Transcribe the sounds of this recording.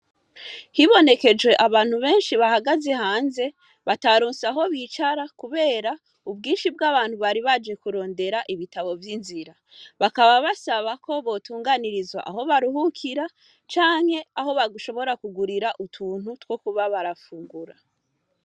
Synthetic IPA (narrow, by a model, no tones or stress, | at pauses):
hiβo̞ne̞ke̞d͡ʒwe̞ʔaβaːn̥huβe̞ːnʃiβahaɡaze̞haːnze̞ | βataɾuːnsaɦo̞βiːt͡ʃaɾakuβe̞ːɾa | ub̚ɡiːnʃibɡaːβaːn̥huβaɾiβad͡ʒe̞kuɾo̞ːnde̞ɾaʔiβitaβo̞vjinziɾa | βakaβaβasaβako̞βo̞tuːŋɡaniɾizwa̰ʔaɦo̞βaɾuhukʰiɾa | t͡ʃaːŋ̥he̞aɦo̞βaɡuʃo̞βo̞ɾakuɡuɾiɾaʔutʰuːn̥hutwokuβaβaɾafuːŋɡuɾa